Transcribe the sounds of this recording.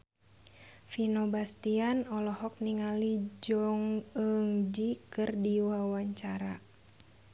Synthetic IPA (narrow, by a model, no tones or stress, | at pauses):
finobast̪ianɔlɔhɔk̚niŋalid͡ʒɔŋəŋd͡ʒikɨrdiwawaɲt͡ʃaɾa